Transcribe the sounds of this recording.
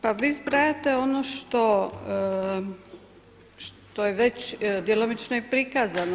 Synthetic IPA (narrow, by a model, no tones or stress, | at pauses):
paʋiːzbɾajat̪eonoʃt̪o | ʃt̪ojeʋet͡ɕd̪jelomit͡ʃnoipɾikazano